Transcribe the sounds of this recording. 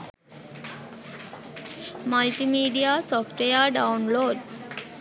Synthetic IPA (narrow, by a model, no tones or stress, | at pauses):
məlʈimiːɖiasɔːfʈejəɖãʊnloːɖ